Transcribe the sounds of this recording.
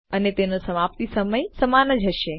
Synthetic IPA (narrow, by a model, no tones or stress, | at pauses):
ənet̪enosəmap̚t̪isəməjsəmanəd͡ʒɦəʃe